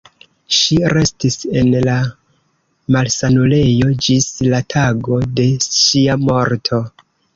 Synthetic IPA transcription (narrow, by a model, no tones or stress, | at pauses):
ʃiɾe̞stise̞nla | malsanule̞jo̞d͡ʒislatʰaɡo̞de̞ʃiamo̞ɾtʰo̞